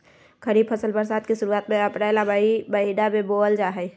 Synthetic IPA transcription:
kʰəɾiːbpʰəsəlbəɾsaːt̪̚kisʊɾuaːt̪mẽəpɾalabbəɦinamẽboːld͡ʒaːɦɛj

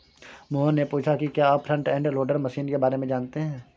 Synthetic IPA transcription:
moːɦənːepuːt͡ʃʰakikjaːaːpʰːɾə̃ɳʈɛ̃ːɳɖloːɖəɾmɐsiːnkebaːɾemẽd͡ʒaːnt̪eɦɛ̃ː

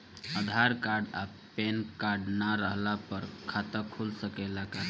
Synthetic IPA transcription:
əd̪ʱaɾkaɾɖa̰ | penkaɾɖnaɾəɦlapəɾkʰat̪əkʰulsəkɛlakaɾ

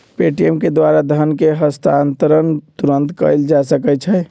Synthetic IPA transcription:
peʈiemked̪ʋaɾad̪ʱənkeɦəst̪ʰant̪əɾənt̪uɾənt̪kəjld͡ʒasəkɛt͡ʃʰɛ

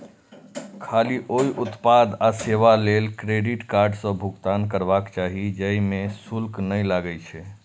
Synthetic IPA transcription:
kʰaliʔoiʔut̪pad̪aseʋalelkɾeɖiʈkaɾɖsə̃bʱuɡt̪ankəɾbakt͡ʃaɦid͡ʒəimesulknəjlaɡət͡ʃʰɛ

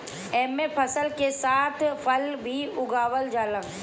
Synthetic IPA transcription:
ɛːmepʰəsəlkesaːt̪ʰpʰəlbʱiʊɡaːwəld͡ʒaːlə̃

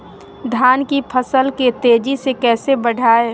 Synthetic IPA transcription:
d̪ʱaːnkipʰəsəlket̪eːd͡ʒisekɛːsebəɽʱaːe

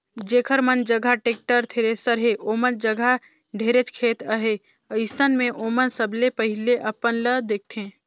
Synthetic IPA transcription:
d͡ʒeːkʰəɾmənd͡ʒəɡʱaʈeːk̚ʈəɾt̪ʰeːɾesəɾɦeʔoːmənd͡ʒəɡʱa | ɖʱeːɾet͡ʃkʰeːt̪əɦe | əɪsənmẽʔoːmənsəblepəɦɪleʔɐpənləd̪eːk̚ʰt̪ʰẽː

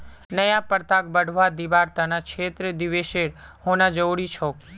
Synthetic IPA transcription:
nəjãpəɾt̪ak̚bəɽ̤ʱʋad̪iʋaɾt̪anat͡ʃʰet̪ɾəd̪iʋeʃeɾhõnãd͡ʒəwɽit͡ʃʰok

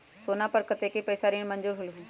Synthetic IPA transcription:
soːnapəɾkət̪eːkepɐjsaːɾĩmɐ̃nd͡ʒuːɾɦʊlɦũː

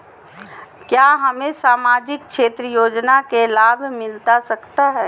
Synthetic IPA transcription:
kjaːɦɐmẽsaːmaːd͡ʒɪk̚ʃeːt̪ɾəjoːd͡ʒnakelaːbʱmɪlt̪asɐkt̪aɦɛː

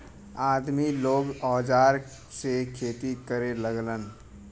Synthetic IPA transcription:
aːd̪miloːɡɔːd͡ʒaːɾ | sekʰeːt̪ikəɾeləɡlən

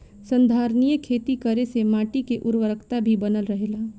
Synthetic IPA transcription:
sə̃nd̪ʱaːɾnijəkʰeːt̪ikəɾesemaːʈikeʔʊɾwəɾəkʰt̪abʱibənəlɾəɦelaː

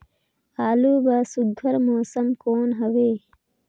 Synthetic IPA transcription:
haːluːbasuɡʱɐɾmoːsɐmkoːnɦɐweː

